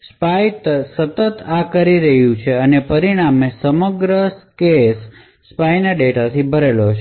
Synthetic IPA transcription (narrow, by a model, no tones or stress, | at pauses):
spajt̪əsət̪ət̪akəɾiɾəɦjũt͡ʃʰeənepəɾiɽ̃amesəməɡɾəskesː | pajnaɖeʈat̪ʰibʱəɾelot͡ʃʰ